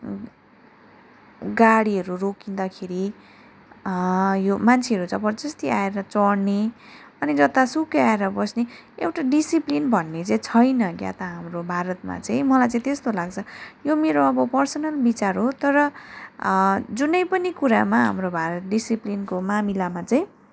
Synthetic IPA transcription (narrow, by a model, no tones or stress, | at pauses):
ɡaɽiɦʌɾurokind̪akʰeɾi | jomant͡sʰeʌɾut͡sʌ̃bʌd͡zʌst̪iaeɾʌt͡sʌɽneʌnid͡zʌt̪asukeaeɾʌbʌsneewʈaɖisiplinbʱʌnːet͡saĩt͡sʰʌjnʌkja̰t̪ʌɦamrobʱaɾʌt̪̚ma̰t͡saĩmʌlajt͡sãĩt̪est̪olaɡt͡sʰʌjomeɾoʌbʌpʌrsʌnʌlbit͡saɾɦot̪ʌɾʌ | d͡zunʌjpʌnikuɾamaɦa̰mrobʱaɾʌt̪̚ɖisiplinkomamilamat͡saĩ